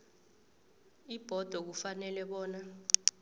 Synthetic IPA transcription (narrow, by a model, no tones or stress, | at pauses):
ib̥ʱɔd̥ʱɔk̬ufanɛlɛɓɔːna